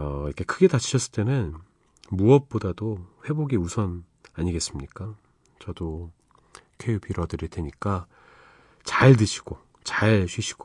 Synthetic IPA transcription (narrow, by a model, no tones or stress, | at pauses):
ʌiɾʌkʰekʰɯɡe̞tat͡ɕʰi̥ɕʰʌs͈ɯɭt͈e̞nɯn | muʌp̚p͈odadoɸwe̞boɡiusʰʌn | aɲiɡe̞s͈ɯmɲik͈a | t͡ɕʌdo | kʰejupiɾʌdɯɾideɲik͈a | t͡ɕaɭt̬ɯɕʰi̥ɡ̥o | t͡ɕaɭɕʰiɕʰi̥ɡ̥o̥